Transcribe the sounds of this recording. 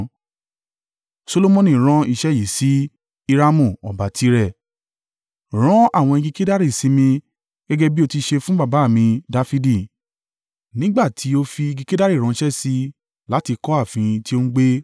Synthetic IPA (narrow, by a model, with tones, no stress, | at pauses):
so˧lo˧mõ˧nĩ˨ɾ̃ã˦i˧ʃɛ˦ji˨si˨˦ | i˧ɾa˦mũ˦˨ɔ˨ba˨tʰi˨˦ɾɛ˦˨ | ɾ̃ɔ̃˦a˦˨w̃ɔ̃˧i˧ɡi˧ke˦da˦ɾi˦˨si˧mĩ˧ | ɡ̥ɛ˦ɡɛ˦bi˦o˧ti˧ʃe˧fũ˦ba˦˨ba˨˦˨mĩ˧da˧fi˧di˦˨ | nĩ˦ɡ͡ba˦˨tʰi˨˦o˧fi˧i˧ɡi˧ke˦da˦ɾi˦˨ɾ̃ɔ̃˨˦ʃɛ˦si˧ | la˨˦ti˧kɔ˦a˦˨fĩ˨˧ti˦o˦n̩u˦ɡ͡be˦